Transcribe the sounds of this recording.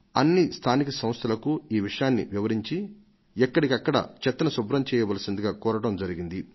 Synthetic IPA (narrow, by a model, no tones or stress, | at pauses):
ɐnːist̪ʰaːnikɐsɐmst̪ʰɐlɐkuiːʋiʂɐjaːnːḭʋiʋɐɾiɲt͡ʃi | ɛkːɐɽikɐkːɐɽɐ̰t͡ʃɛt̪ːɐnɐsubɾɐmt͡ʃɛːjɐʋɐlɐsind̪iɡaːkɔːɾɐɽɐmd͡ʒɐɾiɡind̪i